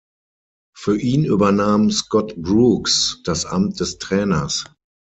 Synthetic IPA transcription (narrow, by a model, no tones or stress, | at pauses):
fyːɐʔiːnyːbɐnaːmskɔtbʁuːksd̥asʔa̰mt̚d̥ɛstʁ̥ɛːnɐs